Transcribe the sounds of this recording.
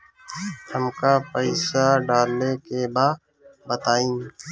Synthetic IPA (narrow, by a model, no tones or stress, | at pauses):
həmkapəɪsaɖaːlnekebaː | bət̪aːĩː